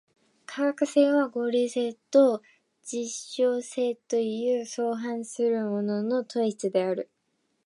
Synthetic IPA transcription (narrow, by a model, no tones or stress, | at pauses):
kʰaɡakɯ̟se̞ːβaɡo̞ːɾʲiːse̞ːt̪o | d͡ʑiɕːo̞ːse̞ːt̪o̞jɯ̟ːso̞ːɦãɰ̃sɨɾɯ̟mo̞no̞no̞t̪o̞i̥t͡sɨd̪e̞aɾɯ̟